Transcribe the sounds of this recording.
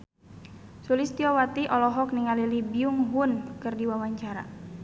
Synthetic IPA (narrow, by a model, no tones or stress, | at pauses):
sulist̪iɔwat̪iʔɔlɔɦɔk̚niŋalilibiuŋɦunkɨrdiwawaɲt͡ʃaɾa̰